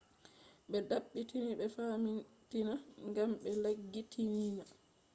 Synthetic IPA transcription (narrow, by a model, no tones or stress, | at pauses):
ɓɛdaɓːitʰiniɓɛfaːmintinaŋɡamɓɛlaɡːitʰinina